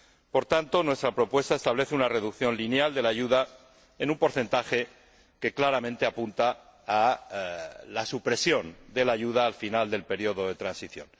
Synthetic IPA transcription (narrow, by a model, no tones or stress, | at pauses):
po̞ɾt̪ant̪o̞nwe̞st̪ɾapɾo̞pwe̞st̪aest̪aβle̞θeunare̞ðukθjo̞nlinjald̪e̞laʝuða | enumpo̞ɾθe̞nt̪axe̞ | ke̞klaɾamẽnt̪e̞apunt̪aː | lasupɾe̞sjo̞nd̪e̞laʝuðaːlfinald̪e̞lpe̞ɾio̞ðo̞ðe̞t̪ɾansiθjo̞̰n